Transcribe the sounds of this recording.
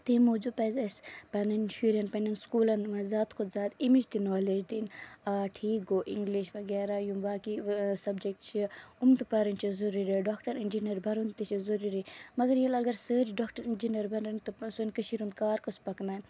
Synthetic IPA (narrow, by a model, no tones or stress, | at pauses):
t̪imoːd͡ʒupɐzɐspɐnɐnʃuɾʲɐnpɐnɐnskuːlɐnmɐzaːt̪kʰozaːt̪imid͡ʒt̪inoːled͡ʒd̪inaːʈʰiːkoːʔiŋɡliʃʋɐɡɛːɾajumbaːkisɐbd͡ʒek̚ʈ̪t͡ʃʰiumd̪pɐɾɐnt͡ʃʰizuɾuɾiɖoːkʈɐɾind͡ʒinɐɾbʱɐɾunt̪it͡ʃʰizuɾuɾimɐɡɐɾjɐlɐɡɐɾsəːd͡ʒɖoːkʈɐɾind͡ʒinɐɾbʱɐnɐnt̪usunkɐʃiɾund̪kaːɾkɐspɐknaː